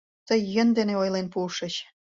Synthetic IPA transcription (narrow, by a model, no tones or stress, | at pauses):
t̪əjːə̆nd̪eneojlenpuʃə̆ɕ